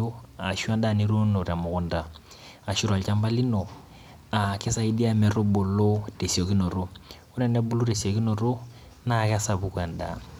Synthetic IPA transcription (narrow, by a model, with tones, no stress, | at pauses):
o˦a˨ʃu˦a˦nda˦˨ni˦ɾo˦no˨ɾa˨mʊ˨kʊ˦nda˨ | a˨ʃu˦ɾa˨lt͡ʃa˦mba˦li˦no˨ | a˨kɪ˦sa˦i˦di˦a˦mɛ˨ɾo˦bo˨lo˦d̥e˨si˨o˨ki˦no˨ɾo˦ | ʊ˦nɛ˨nɛ˦bu˦lu˦ɾe˨si˨o˨ki˦no˨ɾo˦ | na˦˨ksa˨bu˦ka˨nda̰˨